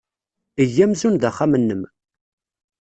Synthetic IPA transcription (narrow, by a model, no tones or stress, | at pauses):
əjːæmzunðæχːamənːəm